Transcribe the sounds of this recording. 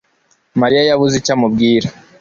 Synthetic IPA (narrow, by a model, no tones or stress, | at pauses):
maɾijajaβuzicamubɡiːɾa